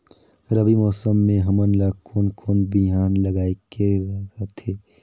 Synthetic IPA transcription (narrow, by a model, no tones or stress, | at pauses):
ɾəbimɔːsəmːẽɦɐmənlaːkʰoːnkʰoːnbiɦaːnləɡaːekeɾɐɾat̪ʰeː